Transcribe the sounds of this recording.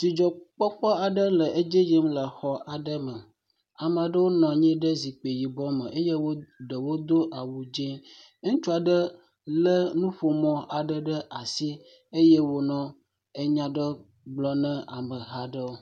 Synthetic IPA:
t̪i˨d͡ʒɔ˨k͡pɔ˦k͡pɔ˦a˨ɖə˦lə˨ʔe˦d͡ʒe˦ji˦mlə˨xɔ˨a˨ɖə˦mə˨ | a˨m˨a˨ɖə˦wo˦nɔ̃˨ɲĩ˦ɖə˦zi˨k͡pe˨ji˨bɔ˦mə̃˨ʔe˦je˦wo˦ɖə˨wo˦d̪o˦ʔa˨wu˨d͡ʒɛ̃˦ | ŋũ˦t͡ʃu˦a˨ɖə˦ | lə˦nũ˦ɸo˨mɔ̃˦ʔa˨ɖə˦ɖə˦ʔa˨si˦ | e˦je˦wo˨nɔ̃˦ | e˦ɲã˦ɖə˦ | ɡ͡blɔ˦nɛ̃˦a˨mə̃˨ɦa˦ɖə˦wo˦

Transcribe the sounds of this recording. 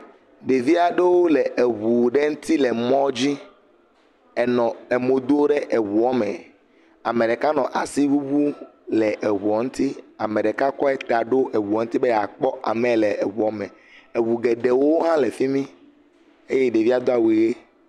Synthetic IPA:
ɖe˨vi˦a˨ɖe˦wo˦lɛ˨ʔe˨βu˨ɖe˦ŋũ˦t̪i˦lɛ˨mɔ̃˦d͡ʑi˦ | ɛ˨nɔ̃˨e˨mo˨d̪o˦ɖe˦ʔe˨wu˨ɔ˦mɛ̃˨ | a˨me˨ɖɛ˨ka˦nɔ̃˨ʔa˨si˦wu˦βu˦lɛ˨ʔe˨βu˨ɔ˨ŋũ˦t̪i˦a˨me˨ɖɛ˨ka˦kɔ˦ɛ˦t̪a˨ɖo˦ʔe˨wu˨ɔ˨ŋ̩̃˦t̪i˦be˦ja˨k͡pɔ˦ʔa̰˨mɛ˨lɛ˨e˨βu˨ɔ˦mɛ̃˨ | e˨βu˨ɡe˨ɖe˨wo˦ɦã˦le˨fi˦mĩ˦ | e˦je˦ɖe˨vi˦a˦d̪o˦a˨wi˨ɣe˦

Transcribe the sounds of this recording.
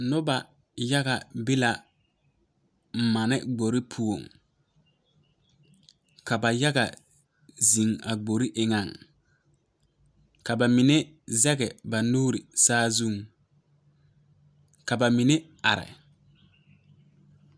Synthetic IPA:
nʊ˦ba˨ | ja˦ɣa˨bɪ˦la˨ | m̩˨ma˨nɪ˦ɡ͡bo˨ɾi˦pʰu˨o˨ŋ | ka˨ba˨ja˦ɡa̰˨ | zi˨ŋa̰˨ɡ͡bo˨ɾi˦ʔɪ˨ŋa˨ŋ | ka˨ba˨mi˨ne˦ | zɛ˦ɡɛ˨ba˨nuː˦ɾi˨saː˦zu˦˨ŋ | ka˨ba˨mi˨ne˦ | a˨ɾɪ̰˨

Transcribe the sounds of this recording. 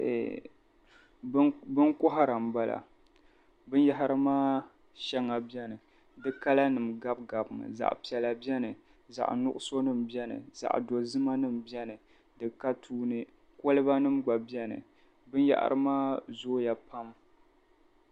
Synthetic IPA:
bɨ˦nkʊ˦ɦa˦ɾa˨mba˦la̰˨ | bɨ˦nja˦ɦa˦ɾɨ˦maː˦ | ʃɛ˦ŋːa˨bɛ˦nɨ˨ | dɨ˦ka˦la˦nɨ˨mɡa˦b̚ɡa˨bɨ˨ŋɨ̰˨za̰˨ʔpi˨ɛ˨la˨bi˦ɛ˦nɨ˨ | za̰˨ʔnʊ˦ʔʊ˦so˦nɨ˦m̩˨bjɛ˦nɨ̰˨za̰˨ʔdo˨zɨ˦ma˦nɨ˦mbɛ˦nɨ˨ | dɨ˦ka˦tʰuː˦nɨ˦ | ko˦lɨ˦ba˦nɨ˦mɡ͡ba˨bi˦ɛ˦nɨ̰˨ | bɨ˦n˦ja̰˦ʔa̰˦ɾɨ˦maː˦zoː˦ja˨pa˦m

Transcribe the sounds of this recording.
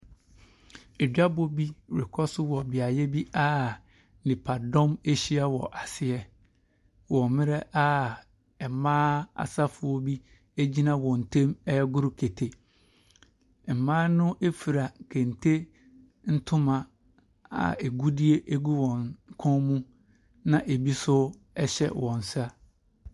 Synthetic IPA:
e˨dᶣa˦bo˦bi˦˨ɾɪ˨kʰɔ˦sʊ˦wɔ˨bɪ˨a˨jɛ˦bi˦a˦ | n̩˨ɪ̃˨pʰa˨dɔ̃˦me˦ɕi˦a˦wɔ̰˨ʔa˨sɪ˦ɛ˦ | wɔ̃˨mɪ̃˦ɾɛ˦ʔa˦ | ɛ˨mãː˦a̰˨sa˦fʊ˨ɔ˦bi˦ | e˦d͡ʑi˦nã˦wɔ̃˨n̩˨tʰẽ˦mɛ˦ɛ˦ɡʊ˦ɾʊ˦kʰe˨tʰe˨ | m̩˨mãː˦nʊ̃˦ʔe˦fi˨ɾa˨kʰẽ˨n̩˨tʰe˦ | n̩˦tʰʊ̃˦mã˨ | a̰˨e˨ɡu˦di˦e˦ʔe˦ɡu˦wɔ̃˨nkʰɔ̃˦mũ˦ | nã˨ʔe˨bi˦sʊ˦ | ɛ˦ɕɛ̰˦wɔ̃˨n̩˨sa˦

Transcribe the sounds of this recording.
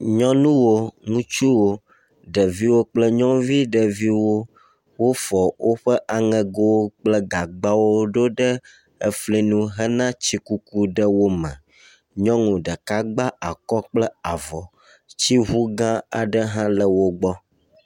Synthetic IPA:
ɲɔ̃˦nũ˦wo˦ŋũ˦t͡ʃu˦wo˦ | ɖə˨vi˦wo˦k͡plə˦ɲɔ̃˦vi˦ɖə˨vi˦wo˦ | wo˦fɔ˨wʔo˦ɸə˦ʔa˨ŋɛ̃˨ɡo˦wo˦k͡plə˦ɡa˨ɡ͡ba˦wo˦ɖo˦ɖə˦ | ə˨fli˦nũ˦ɦə˦nã˦t͡ɕi˦ku˦ku˦ɖə˦wo˦mə̰̃˨ | ɲɔ̃˦ŋũ˨ɖə˨ka˦ɡ͡ba˦ʔa˨kɔ˦k͡plə˦a˨vɔ˨ | t͡ɕi˦ɦu˦ɡã˦a̰˨ɖə˦ɦã˦lə˨wo˦ɡ͡bɔ˦

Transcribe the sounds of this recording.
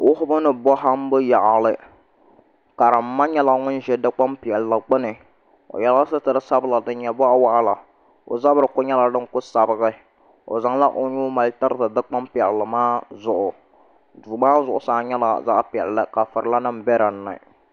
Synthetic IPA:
wʊ˦hʊ˦bɨ˦nɨ˨bɔ˦ɦa˦m˦bɨ˦ja˨ʔa˨lɨ˦ | ka˨ɾa˨m̩ː˨˦a˦ɲɛ˦la˦ŋʊ˦n˦ʒɛ˦dɨ˦k͡pa˦mpɪ˨ɛ˨lla˨ɡ͡bɨ˦nɨ˨ | o̰˨jɛ˨la˦sɨ˦tɨ˨ɾɨ˦sa˦bɨ˦la˨dɨ˨˦ɲɛ˨bɔ˦ʔa˦wa˦ʔa˦la˨ | o̰˨za˦bɨ˦ɾɨ˨kʊ˦ɲɛ˦la˨dɨ˦ŋ˦kʊ˦sa˨bɨ˦ɣɨ˦ | o̰˨za˨ŋla˦ʔo˦ɲuː˦ma˨ltɨ˦ɾɨ˦tɨ˨dɨ˦k͡pa˦mpɛ˨lːɨ˨maː˦zʊ˨ʔʊ˨ | duː˨maː˦zʊ˨ʔʊ˨saː˨˦ɲɛ˦la̰˨za̰˦ʔpi˨ɛ˨llɨ˦ka˨fɨ˨ɾɨ˨la˦nɨ˦mbɛ˦ɾa˨nːɨ̰˨

